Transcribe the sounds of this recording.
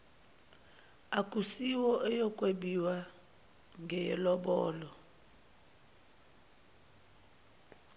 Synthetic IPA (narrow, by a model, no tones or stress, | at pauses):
akʼusiwɔʔɛjɔkʼweɓiwa | ŋɡʱɛjɛ̰lɔɓɔ̰ːlɔ